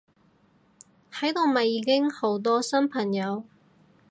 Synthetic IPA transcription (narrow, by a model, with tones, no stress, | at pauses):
hɐ˨˥jt̪o˨˧wmɐ˨˩jːiː˨˧kɪ˥ŋho˨˥wt̪̬ɔː˥sɐ˥mpʰɐ˨˩ŋjɐ˨˧w